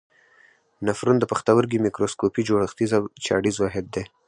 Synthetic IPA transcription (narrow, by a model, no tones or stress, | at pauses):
nafɾund̪əpaxt̪awəɾɡimikɾoskopid͡ʒoɽəxt̪izawt͡ʃɑ̰ɽizwɑɦɪd̪̚ːe